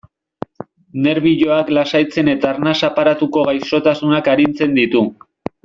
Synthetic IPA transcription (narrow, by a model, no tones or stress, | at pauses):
ne̞ɾβiʎo̞aklasajt͡se̞ne̞t̪aːɾnasapaɾat̪uko̞ɣajso̞t̪asunakaɾint͡se̞nd̪it̪u